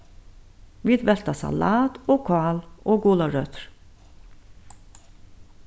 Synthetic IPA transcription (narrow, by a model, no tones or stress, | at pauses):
ʋiːd̪ʋɛlt̪ɑsɑ̰lɑːt̪oːkʰɑːloːɡuːlɑɹœt̪ɾ